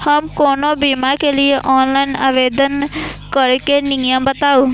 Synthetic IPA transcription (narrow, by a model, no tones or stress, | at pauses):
həmkoːnobimaɾkelieʔɔːnlaina̰ʋed̪ənkəɾkenĩŋjəmbət̪au